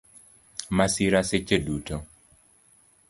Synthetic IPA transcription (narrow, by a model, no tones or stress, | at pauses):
masiɾaset͡ʃeduto